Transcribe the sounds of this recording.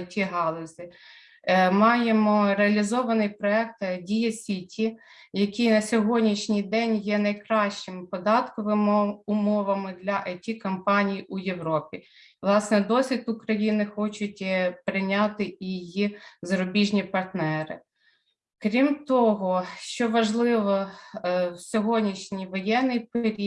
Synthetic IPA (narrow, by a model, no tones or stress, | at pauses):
tʲiɦɑlˠɔzʲɪ | mɑjemɔɾeɐlʲizɔʋɐnɪjpɾɔɛk̚t̪dʲijɐsʲitʲi | jɐkʲijnɐsʲɔɦɔdʲnʲiʃnʲijd̪ɛnʲjɛnɐjkɾɑʃt͡ʃɪmɪpɔd̪ɑt̪kɔʋɪmʊmɔʋɐmɪd̪lʲɐʔɐtʲikɐmpɑnʲijʔujewɾɔpʲi | lˠɑsnɛd̪ɔsʲʋʲit̪ʊkɾɐjinɪxɔt͡ʃʊt̚ʲpɾɪnʲɑt̪ɪiijizɐɾʊbʲiʒnʲipɐrt̪nɛɾɪ̰ | kɾʲimt̪ɔɦɔʃt͡ʃɔʋɐʒlˠɪʋɔ | wsʲɔɦɔdʲnʲiʃnʲijʋɔjɛnːɪjpɾʲi